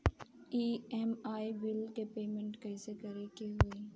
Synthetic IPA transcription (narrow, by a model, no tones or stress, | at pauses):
iːɛmaːiʋɪlkepeːmẽɳʈkɐɪsekɐɾekeɦʊe